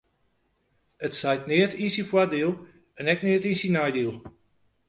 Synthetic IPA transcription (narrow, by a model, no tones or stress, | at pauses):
ətsajtnɪətʰĩnsifwadilˠ | ɛnɛknɪətinsinajdilˠ